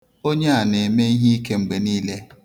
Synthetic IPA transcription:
o˦ɲe˦a˨ne˨me˦i˦ɦi˦i˦ke˦ŋ͡m̩˨ɡ͡be˨niː˦le˦

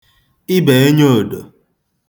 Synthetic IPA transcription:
ɪ˦be˨e˦ɲo˦˨do˨

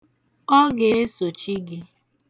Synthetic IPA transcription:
ɔ˦ɡe˦e˦so˨t͡ʃi˦ɡi˦

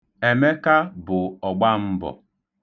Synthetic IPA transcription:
e˨me˦ka˦bʊ˨ɔ˨ɡ͡ba˦m̩˦bɔ̰˨

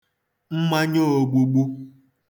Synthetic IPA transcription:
ŋ͡m̩˦ma˦ɲo˦o˨ɡ͡bu˨ɡ͡bu˦

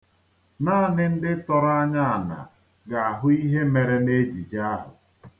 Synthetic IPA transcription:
naː˦˨nɪ˦n̩˦dɪ˦tɔ˦ɾa˦ɲa˦a˨na̰˨ | ɡa˨a˨ɦʊ˦i˦ɦe˦me˨ɾe˦ne˦d͡ʒi˨d͡ʒa˦ɦʊ̰˨

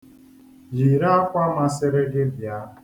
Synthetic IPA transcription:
ji˨ɾa˦a˦kʷa˦ma˦sɪ˦ɾɪ˦ɡɪ˦bja˦

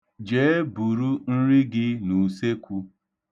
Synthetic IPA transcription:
d͡ʒe˨˦bu˨ɾu˦n̩˦ɾɪ˦ɡɪ˦nu˨se˦kʷu˦

